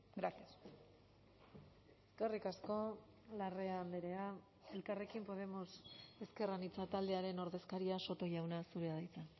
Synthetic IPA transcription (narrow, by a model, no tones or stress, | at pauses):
ɡɾasias | eskerikasko̞ | lare̞aːnd̪eɾea | e̞lkare̞kimpo̞ð̞e̞mo̞se̞ske̞ranit͡sat̪ald̪eaɾe̞no̞ɾðe̞skaɾiaso̞t̪o̞ʝawnasuɾe̞aðajt͡san